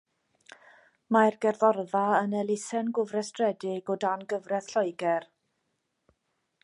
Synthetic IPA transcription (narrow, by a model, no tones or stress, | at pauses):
marɡɛrðɔrðaənɛlˠɪsɛnɡʊvrɛstrɛdɪɡɔdanɡəvrɛθɬɔjɡɛr